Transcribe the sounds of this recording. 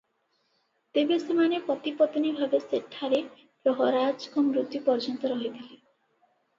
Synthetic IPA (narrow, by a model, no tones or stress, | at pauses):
t̪ebesemanepɾɔt̪ipɔt̪ɔnibʱabeseʈʰːaɾe | pɾɔɦɔɾad͡ʒkɔmɾut̪jipɔɾd͡ʒɔnt̪ɔɾɔɦit̪ʰili